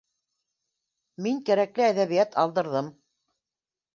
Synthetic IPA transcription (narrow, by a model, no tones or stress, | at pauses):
miŋkæɾæklɘæðæβijæt̪ɑlˠd̪ɤ̆ɾðɤm